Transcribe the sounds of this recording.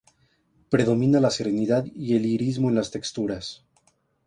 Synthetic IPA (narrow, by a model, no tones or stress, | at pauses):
pɾe̞ðo̞mĩnalase̞ɾe̞niðaðie̞liɾizmoenlast̪e̞kst̪uɾas